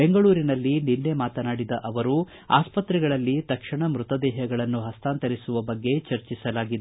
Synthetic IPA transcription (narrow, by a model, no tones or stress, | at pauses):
beŋɡɐɭuːɾinɐlːininːe̞maːt̪ɐnaːɽid̪ɐʔɐʋɐɾu | a̰ːspɐt̪ɾɛɡɐɭɐlːit̪ɐkʂɐɳɐmɾut̪ɐd̪ɛːɦɐɡɐɭɐnːuɦɐst̪aːnt̪ɐɾisuʋɐbɐɡːe̞t͡ʃɐɾt͡ʃisɐlaːɡid̪e